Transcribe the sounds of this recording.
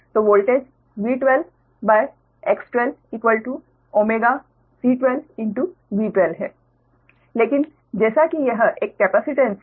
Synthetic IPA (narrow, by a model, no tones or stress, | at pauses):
t̪oːʋoːlʈeːd͡ʒ | ʋiːʈʋel | baɪ | eksʈeliːkʋəlʈu | oːmeːɡa | siːʈʋelɪ̃ɳʈuʋiːʈʋelɦɛ̰ː | leːkɪn | d͡ʒɛːsakijəɦʔeːkːɛpasɪʈẽns